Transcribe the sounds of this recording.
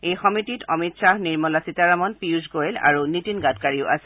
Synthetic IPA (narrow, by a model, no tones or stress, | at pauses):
ejxɔmititʰɔmitsahniɹmɔlasitaɹamɔnpiuzɡojla̰ɹunitinɡatkaɹiʊa̰sɛ